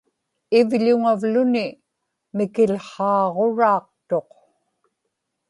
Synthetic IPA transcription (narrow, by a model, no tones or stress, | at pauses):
ɪvʎʊŋavlʊnɪ | mɪkɪlχɑːʁo̞ɻɑːq̚t̪o̞q